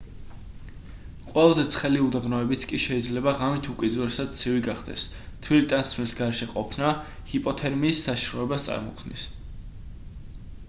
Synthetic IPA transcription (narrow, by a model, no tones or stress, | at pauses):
qʼwɛlˠazɛt̪sʰχɛliud̪abnɔɛbit̪sʰkʼiʃɛid̪zlɛbaʁamit̪ʰukʼid̪uɾɛsad̪̥̚t̪sʰiviɡaχd̪ɛ̰s | t̪ʰwilit̪ʼant̪sʰmilsɡaɾɛʃɛqʼɔpʰna | hipʼɔt̪ʰɛɾmiːsːaʃɾɔɛbast̪sʼa̰ɾmɔkʰmnḭs